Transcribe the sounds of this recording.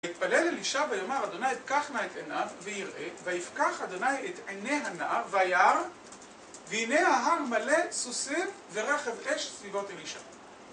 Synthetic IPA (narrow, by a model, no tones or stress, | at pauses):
ait̪paleleliʃabejomaʁad̪o̞najtkaχnaet̪enavːejiʁʔevajifkaχad̪onajet̪ʕeneɦanavajaʁ | veinehaɦaʁmale̞susifveʁaχezʔeʃsvivo̞t̪eliʃa̰